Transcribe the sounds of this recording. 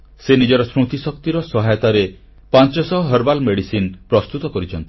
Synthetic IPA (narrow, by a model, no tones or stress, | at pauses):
senid͡ʒɔɾɔsɾut̪isɔk̚t̪iɾɔsɔɦajɔt̪aɾe | pant͡ʃɔsɔɦɔɦəɾbalmeɽisinpɾɔst̪ut̪ɔkɔɾit͡ʃʰɔnt̪i̥